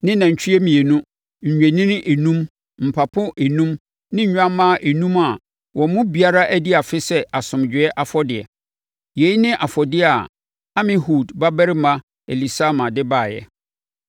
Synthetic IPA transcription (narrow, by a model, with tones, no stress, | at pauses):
nɪ̃˦nã˨ɲ̩˨t͡ɕʰᶣi˦ɛ˦mĩ˨e˨nũ˦ | ɲ̩˨ɲᶣæ˨nĩ˦n˦ʔe˨nũ˦m | m̩˨pʰa˨pʰʊ̃˦ʔe˨nũ˦m | nɪ̃˦ɲ̩˨ɲᶣ˦ã˦mã˦˨ʔe˨nũ˦ma˨ | wʔɔ̃˨˦mʊ̃˦bi˨a˦ɾa˦ʔæ˦di˦a˨fɪ˦sɛ˦ʔa˨sʊ̃˨md͡ʑᶣɪ˨ɛ˦ʔa˦˨fɔ˦dɪ˨ɛ̰˨ | je˨˦i˦nɪ̃˦ʔa˨fɔ˨dɪ˦a˨ | a˦mɪ̃˦huː˦˨dba˦bɛ˦ɾɪ˦mã˦ | e˨li˨sa˦mã˨dɪ˦ba˦˨jɛ̰˨